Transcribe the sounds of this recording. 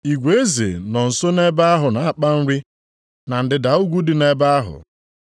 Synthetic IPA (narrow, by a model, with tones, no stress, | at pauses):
i˨ɡʷe˨e˦zḛ˨nɔ˨n̩˨so˦ne˦ba˦a˦ɦʊ˨na˨a˦˨k͡pa˦n̩˦ɾi˦ | na˨n̩˨dɪ˨da˨u˦ɡʷu˦dɪ˨ne˦ba˦a˦ɦʊ̰˨